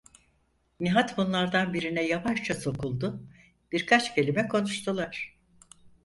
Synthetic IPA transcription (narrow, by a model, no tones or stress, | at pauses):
niɦat̪bunlˠaɾd̪anbiɾinɛjavaʃt͡ʃʰaso̞kʰulˠd̪ʊ | b̥iɾkʰat͡ʃcʰe̞lʲimɛkʰo̞nuʃt̪ʰulˠaɾ̥